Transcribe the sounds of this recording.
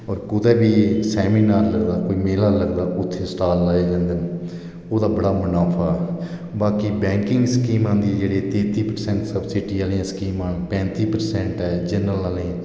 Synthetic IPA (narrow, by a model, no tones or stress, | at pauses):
ɔːɾkʊd̪ɛːbiːsɛːmiːnaːɾləɡd̪aːkoːiːmeːlaːləɡd̪aːʔʊt̪ʰːeːsʈaːlːaːjaːd͡ʒãːnd̪ən | oːd̪aːbəɽaːmʊnaːpʰaː | baːkiːbɛ̃ːŋkɪ̃ŋɡsəkiːmãːd̪iːd͡ʒeːɽeːt̪eːt̪iːpəɾsɛ̃ːɳʈsəbsɪːʈiːəlẽãːskiːmãːnpɛ̃ːnt̪iːpəɾsɛ̃ːɳʈɦɛːd͡ʒənəlaːlẽː